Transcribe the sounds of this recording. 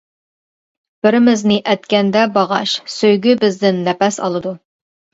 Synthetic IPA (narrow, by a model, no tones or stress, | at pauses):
b̥ɪɾɪmɪznɪʔɛt̪kʲɛnd̪ɛbɑʁɑ̰ʃsøjɡʲybɪzd̪ɪnːɛpɛsɑ̰lˠɨd̪u